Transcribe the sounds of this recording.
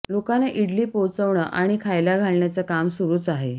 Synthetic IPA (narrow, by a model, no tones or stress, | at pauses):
lokanaʔiɽliːpowt͡səʋɳəʔaɽ̃ikʰajlaɡʱaɭɳjat͡səkamsuɾuːt͡saɦe